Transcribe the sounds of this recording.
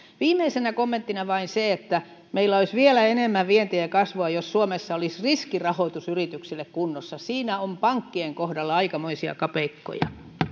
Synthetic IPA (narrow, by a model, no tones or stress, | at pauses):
ʋiːmːˑeisenækomːent̪ːinɑʋɑinseet̪ːæ | meilːæolisʋielæenemːæʋʋient̪iekɑsʋoɑjossuomesːɑolisriskirɑhoit̪usyrit̪yksilːekkunːosːɑsiːnæompɑŋkːieŋkohdɑlːɑɑikɑmoisiɑ̰kɑpeikːo̰jɑ̰